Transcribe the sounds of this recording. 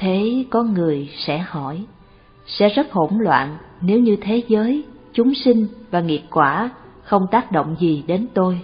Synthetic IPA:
t̪ʰe˨˦kɔ˨˦nŋɨ˨˩əjsɛ̰˧˥hɔ˧˩j | sɛ̰˧˥zə˦˥t̚ho̰˧˩nlwa̰ː˧˨nne˨˦wɲɨ˧t̪ʰe˨˦zəː˨˦jt͡ɕʊ˨˦ŋ͡msï˧ŋ̟vaː˨˩ŋi˨˩əp̚kwaː˧˩xə˧wŋ͡mt̪aː˦˥k̚ɗo̰˧˨wŋ͡mzi˨˩ɗe˨˦nt̪o˧j

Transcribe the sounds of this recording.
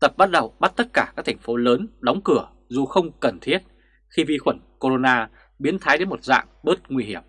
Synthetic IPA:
t̪ə˨˩p̚ɓa˦˥t̚ɗə˨˩wɓa˦˥t̚t̪ə˦˥t̚kaː˧˩kaː˦˥k̚t̪ʰŋ̟fo˨˦ləː˨˦nɗɔ˨˦wŋ͡mkɨ˧˩ə | zu˨˩xə˧wŋ͡mkə˨˩nt̪ʰi˦˥ət̚ | xi˧vi˧xwə˧˩nko˧ɾo˧naː˧ | ɓi˨˦ənt̪ʰaː˨˦jɗe˨˦mo˨˩t̚za̰ː˧˨ŋɓəː˦˥t̚ŋwi˧hi˧˩əm

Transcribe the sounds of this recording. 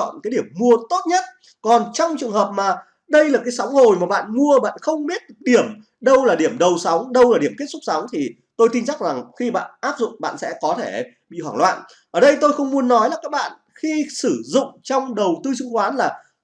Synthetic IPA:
ɔ̰˧˨nkaː˨˦jɗi˧˩əmːu˧ət̪o˦˥t̚ɲə˦˥t̚ | kɔ˨˩nt͡ɕɔ˧wŋ͡mt͡ɕɨ˨˩əŋɦəː˨˩p̚maː˨˩ | ɗə˧jlaː˨˩kaː˨˦jsa˨˦wŋ͡mho˨˩jmaː˨˩ɓa̰ː˧˨nmu˧əɓa̰ː˧˨nxə˧wŋ͡mɓi˦˥ət̚k̚ɗi˧˩əm | ɗə˧wlaː˨˩ɗi˧˩əmɗə˨˩wsa˨˦wŋ͡mɗə˧wlaː˨˩ɗi˧˩əmktsʊ˦˥k͡p̚sa˨˦wŋ͡mt̪ʰi˨˩ | t̪o˧jt̪i˧nsa˦˥k̚za˨˩ŋxi˧ɓa̰ː˧˨nʔaː˦˥p̚zʊ̰˧˨ŋ͡mɓa̰ː˧˨nsɛ̰˧˥kɔ˨˦t̪ʰe˧˩ | ɓḭ˧˨hwaː˧˩ŋlwa̰ː˧˨nʔ | ʔəː˧˩ɗə˧jt̪o˧jxə˧wŋ͡mmu˨˦ənːɔ˨˦jlaː˨˩kaː˦˥k̚ɓa̰ː˧˨n | xi˧sɨ˧˩zʊ̰˧˨ŋ͡mt͡ɕɔ˧wŋ͡mɗə˨˩wt̪ɨ˧sɨ˧ŋxwaː˨˦nlaː˨˩

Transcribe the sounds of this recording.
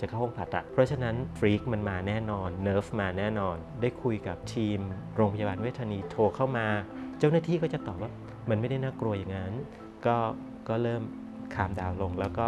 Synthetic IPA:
t͡ɕa˨˩kʰa˥˩wo˧ŋpʰa̰˨˩t̪̚a˨˩ʔ̚pʰɾɔ˦˥t͡ɕʰa˧na˦˥nfɾiː˦˥k̚ma˧nmaː˧nɛː˥˩nɔː˧nːɤː˦˥fmaː˧nɛː˥˩nɔː˧ndaː˥˩jkʰu˧jka˨˩p̚t̪ʰiː˧mɾoː˧ŋpʰa˧ja˧baː˧nwt̪̚ʰaː˧niː˧t̪ʰoː˧kʰa˥˩wmaː˧t͡ɕa˥˩wnaː˥˩t̪ʰiː˥˩kɔː˥˩t͡ɕa˨˩t̪ɔː˨˩p̚waː˥˩ | ma˧nma˥˩jda˥˩jnaː˥˩kɾu˧ɐja˨˩ŋa˦˥n | kɔː˥˩ | kɔː˥˩ɾɤː˥˩m | kʰaː˧mdaː˧wlo˧ŋlɛː˦˥wkɔː˥˩

